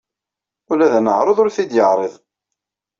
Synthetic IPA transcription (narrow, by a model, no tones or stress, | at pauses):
ʊlæðænəʕɾˤoðˤʊɾθid̪jəʕɾˤəðˤ